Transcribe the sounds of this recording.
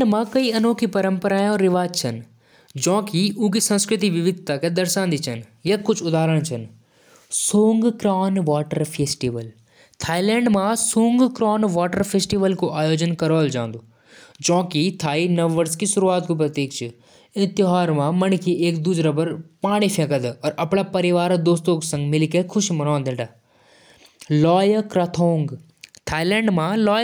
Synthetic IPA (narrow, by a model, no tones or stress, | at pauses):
ɖmãkɐiɐnõːkʰipɐɾə̃mpəɾaːjõɾɪʋaːd͡ʒt͡ɕʰɐn | d͡ʑõːkʰiuːɡisɐ̃nskɾɪt̪iʋɪʋɪd̪ʱt̪akʰed̪ɐɾsãːnd̪it͡ʃʰɐnjɐkʊd͡ʒʱʊd̪ʱaːɾəɽ̃t͡ʃʰɐn | soːŋɡkɾaːnʋaːʈəɾfeːsʈiːʋəl | t̪ʰaːilɛ̃ːɳɖmãsũːŋɡkɾaːnʋaːʈəɾfeːsʈiːʋəlkʰoʔaːjoːd͡ʑənkɐɾoːld͡ʒã̰ːn̆d̪oː | d͡ʒɔ̃ːkit̪ʰaːinɐʋːəɾskisʊɾuaːt̪̚kopɾɐt̪iːkʰt͡ʃʰɨ | ɪ̃nt̪ɪɦaːɾmãmɐnkʰiʔeːkd̪uːsɾabɐɾpaːɽ̃ifʰẽkəd̪ɔːɾɐpɽapɐɾɪʋaːɾd̪oːst̪õksɐ̃ŋɡmɪlkekʰʊʃmɐnãːnd̪ẽɖaː | lɔːjkɾɐt̪ʰoːŋɡ | t̪ʰaːilɛ̃ːɳɖmãlɔː